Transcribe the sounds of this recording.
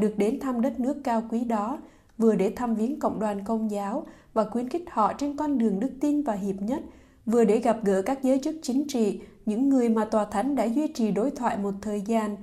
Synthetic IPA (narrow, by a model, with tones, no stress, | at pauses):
ɗɨ˨˩ək̚ɗe˨˦nt̪ʰaː˧mɗə˦˥t̚nɨ˦˥əkːaː˧wkwi˨˦ɗɔ˨˦ | vɨ˨˩əɗe˧˩t̪ʰaː˧mvi˨˦ənkə̰˧˨wŋ͡mɗwaː˨˩nkə˧wŋ͡mzaː˨˦wvaː˨˩kwi˨˦ənkï˦˥k̟̚hɔ̰˧˨t͡ɕe˧nkɔ˧nɗɨ˨˩əŋɗɨ˦˥k̚t̪i˧nvaː˨˩ɦi˨˩əp̚ɲə˦˥t̚ | vɨ˨˩əɗe˧˩ɣa˨˩p̚ɣə̰ː˧˥kaː˦˥k̚zəː˨˦jt͡ɕɨ˦˥k̚t͡ɕï˨˦ŋ̟t͡ɕḭ˧˨ɲɨ̰˧˥ŋːɨ˨˩əjmaː˨˩t̪waː˨˩t̪ʰa˨˦jŋ̟ɗa̰ː˧˥zwi˧t͡ɕi˨˩ɗo˨˦jt̪ʰwa̰ː˧˨jmo˨˩t̚t̪ʰəː˨˩jzaː˧n